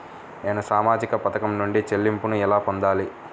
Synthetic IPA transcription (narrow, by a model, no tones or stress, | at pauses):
neːnusaːmaːd͡ʒikɐpɐt̪ɐkɐmnuɳɖit͡ʃelːimpunuilaːpond̪aːli